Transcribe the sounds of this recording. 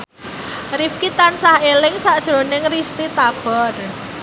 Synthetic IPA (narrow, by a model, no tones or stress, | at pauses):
rifkit̪ansahelɪŋsaʔd̥ʒ̥ɾo̤nɪŋrist̪it̪ab̥ɔr